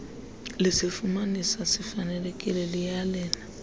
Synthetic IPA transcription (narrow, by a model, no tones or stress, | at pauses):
lisifumanisasifanɛlekʼilɛlijalɛːna